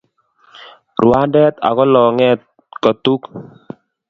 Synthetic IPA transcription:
rwa˦dɛ˦t̪a̰˨kɔ˦lɔ˨ŋɛ˦t | kɔ˨t̪u˦k

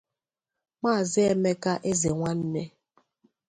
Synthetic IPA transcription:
maː˦˨zɪ˦e˦me˦ka˦ʔe˦ze˨ŋʷa˦n̩˦ne˦

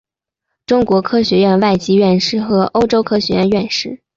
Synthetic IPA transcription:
ʈ͡ʂʊ˥ŋkwɔ˧˥kʰɤ˥ɕɥɛ˧˥ɥɛ˥˧nwa˥˩ɪt͡ɕi˥ɥɛ˥˩nʂɻ̩˥˩xɤ˧˥ʔo˥ʊʈ͡ʂo˥ʊkʰɤ˥ɕɥɛ˧˥ɥɛ˥˧nɥɛ˥˧nʂɻ̩˥˩

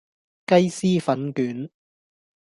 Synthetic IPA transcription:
kɐ˥jsiː˥fɐ˨˥nkyː˨˥n

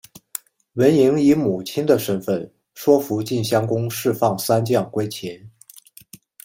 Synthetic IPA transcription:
wə˧˥ni˧˥ŋi˧˥mu˨˩t͡ɕʰi˥nd̪ə˨ʂə˥nfə˥˩n | ʂwɔ˥fu˧˥t͡ɕi˥˩nɕjɑ˥ŋkʊ˥ŋʂɻ̩˥˧fɑ˥˩ŋsa˥nt͡ɕjɑ˥˩ŋkwe˥ɪt͡ɕʰjɛ˧˥n

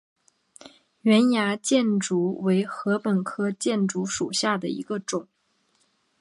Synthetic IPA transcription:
ɥɛ˧˥nja˧˥t͡ɕjɛ˥˩nʈ͡ʂu˧˥we˧˥ɪxɤ˧˥pə˨˩nkʰɤ˥t͡ɕjɛ˥˩nʈ͡ʂu˧˥ʂu˨˩ɕja˥˩d̪ə˩ḭ˧˥ɡə˧ʈ͡ʂʊ˨˩˦ŋ

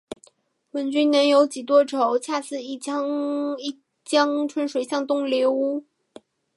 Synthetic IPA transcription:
wə˧˥nt͡ɕy˥nnɛ˧˥njo˧˥ʊt͡ɕi˨˩t̪wɔ˥ʈ͡ʂʰo˧˥ʊt͡ɕʰja˥˧sɹ̩˥˧i˥˩t͡ɕɑ˥ŋi˥˩ | t͡ɕjɑ˥ŋʈ͡ʂʰwə˧˥nʂwe˨˩ɪɕjɑ˥˧ŋt̪ʊ˥˩ŋljɛ˧˥u˥

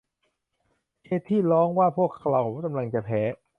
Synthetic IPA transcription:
kʰeː˦˥˩t̪ʰːiː˥˩lɔː˦˥ŋwaː˥˩pʰu˥˩əkʰːla˧˩wka˧mla˧ŋt͡ɕa˨˩pʰɛː˩˦

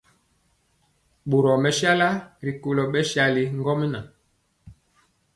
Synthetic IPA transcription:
ɓo˨ɾɔ˨mɛ˨ʃa˦la˦ɾi˨ko˨lɔ˨ɓɛ˦ʃja˨li˨ŋɡɔ˦m˦na˨

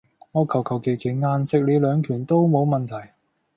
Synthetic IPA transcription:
ŋɔː˨˧kʰɐ˨˩wkʰɐ˨˩wkʰe˨˩jkʰe˨˩jŋaː˧nsɪ˨k̚le˨˧lœː˨˧ŋkʰyː˨˩nt̪o˥wmo˨˧wmɐ˨nt̪ʰɐ˨˩j

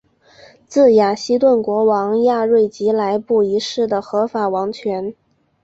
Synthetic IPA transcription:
t͡sɹ̩˥˩ja˨˩ɕi˥t̪̬wə˥˩nkwɔ˧˥wɑ˧˥ŋja˥˧ɻwe˥˩ɪt͡ɕi˧˥la˧˥ɪpu˥˩i˧˥ʂɻ̩˥˩d̪ə˩xɤ˧˥fa˨˩wɑ˧˥ŋt͡ɕʰɥɛ˧˥n

